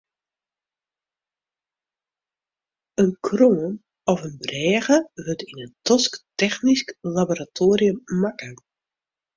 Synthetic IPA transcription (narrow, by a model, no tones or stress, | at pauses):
ənkʰroːən | ɔfənbrɛːɣəʋøtinəntɔsktɛxnisklaboɾatʰoːriəmːakə